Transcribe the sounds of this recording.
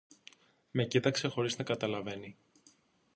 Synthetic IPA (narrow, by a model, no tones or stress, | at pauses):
me̞cit̪ɐkse̞xo̞ɾiznɐkɐt̪ɐlɐve̞ni